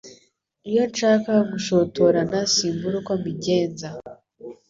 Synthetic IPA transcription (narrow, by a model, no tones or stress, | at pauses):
ijo̞nʃaːkaɡuʃotoɾanasiːmbuɾukomiɟeːnza